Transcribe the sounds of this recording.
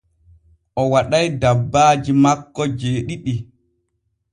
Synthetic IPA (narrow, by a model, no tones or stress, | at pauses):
ʔɔwaɗajdabːaːd͡ʒimakːɔd͡ʒeːɗiɗi